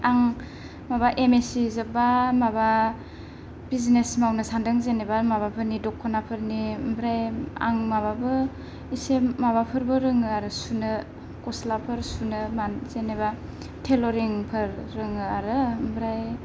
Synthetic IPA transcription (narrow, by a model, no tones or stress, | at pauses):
aŋ | mabaʔemesizɯbamaba | biznesmawnɯsandɯŋzenebamaβapʰɯɾnidɔkʰːɔnapʰɯɾnimbɾaja̰ŋmaβabɯ | isemaβapʰɯɾbɯɾɯŋɯaɾɯsunɯ | kɔslapʰɯɾsunɯmazeneβa | tʰeloɾiŋpʰɯɾːɯŋɯaɾɯmbɾaj